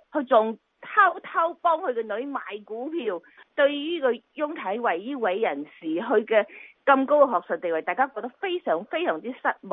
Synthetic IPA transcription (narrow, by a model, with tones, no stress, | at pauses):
hɵ˨˧t͡sʊ˨ŋ | t̪ʰɐ˥wt̪ʰɐ˥wpɔː˥ŋhɵ˨˧ɥkɛ˧nɵ˨˧˥ɥmaː˨jkuː˨˥pʰiː˧w | t̪ɵ˧ɥjiː˥kɔː˧jʊ˥ŋt̪ʰɐ˨˥jwɐ˨jjiː˥wɐ˨˥jːɐ˨˩nsiː˨˩ɦɵ˨˧ɥkɛː˧kɐ˧mko˥wkɛ˧ɦɔː˨k̚sœ˨t̚t̪e˨jwɐ˨˩t̪aː˨˩kaː˥kɔː˧k̚t̪ɐ˥k̚fe˥jsœː˨˩ŋfe˥jsœː˨˩ŋt͡siː˥sɐ˥t̚mɔ˨